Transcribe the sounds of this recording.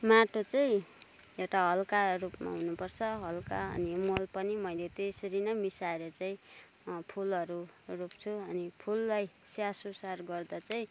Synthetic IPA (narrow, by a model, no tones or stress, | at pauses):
maʈot͡saĩewʈaɦʌlkarupma̰ɦunupʌrt͡sʰʌɦʌlkaʌ̰nimolpʌnimʌilet̪esʌɾinʌmisaeɾʌt͡saĩ | pʰulʌɾu | rup̚t͡sʰuʌnipʰulːajsasosarɡʌrd̪at͡saĩ